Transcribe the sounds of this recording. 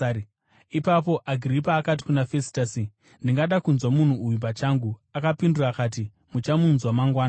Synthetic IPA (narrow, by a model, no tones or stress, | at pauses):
ipap̬o̞ʔaɡʱiripaːkat̬i̥kunafesi̥tasi | ndiŋɡaɗakunzwamun̤uːjup̬at͡ʃaːŋɡuakapindurakaːt̬i | mut͡ʃamunzwamaŋɡwaːna